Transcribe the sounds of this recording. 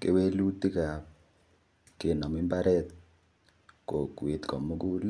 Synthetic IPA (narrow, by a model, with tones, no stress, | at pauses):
kḛ˨we˦lu˦t̪i˦ka˨ | kɪ˨nɔ˨mɪ˦mba˦ɾɛ˦t̪ | ko˨kwe˨t̪kɔ˨mo˦ɡu˦l